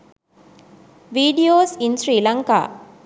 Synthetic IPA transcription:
ʋiːɖijoːsinsɾiːlɐŋka̰ː

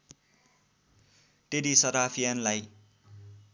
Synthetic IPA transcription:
ʈeɾisʌɾapʰijanlaj

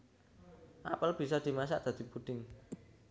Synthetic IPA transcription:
ʔapəlb̥i̤sɔd̪̥i̤mas̬a̰ʔd̪̥a̤d̪̥i̤pud̪̥ɪŋ

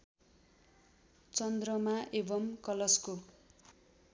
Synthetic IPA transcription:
t͡sʌnd̪rʌmaʔebʌmkʌlʌsko

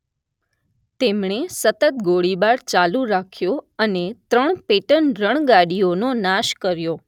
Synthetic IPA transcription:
t̪emɳesət̪ət̪ɡoɽibaɾt͡ʃalũɾakʰjoənet̪ɾəɳpeʈənɾəɳ̃ɡaɽiononaʃkəɾjo

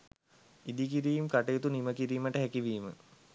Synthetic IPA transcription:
id̪ikiɾiːmkaʈeːt̪uniməkiɾiːməʈəɦækiʋiːmə̰

